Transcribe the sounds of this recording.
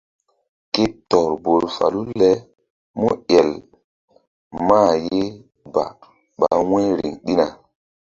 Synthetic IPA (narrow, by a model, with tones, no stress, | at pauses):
ke˦tɔ˨ɾbo˨ɾfa̰˨lu˦lɛ˦ | mu˦ɛ˨l | maː˦˨je˦ | ba̰˨ | ɓa˨wɛ̃˦ɾḭ˨ŋɗi˦na˨